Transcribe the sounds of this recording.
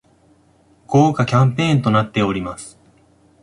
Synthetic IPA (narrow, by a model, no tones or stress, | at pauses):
ɡ̥oːkakʲãmpẽ̞ːnt̪o̞nat̪ːe̞o̞ɾʲimasɨ̥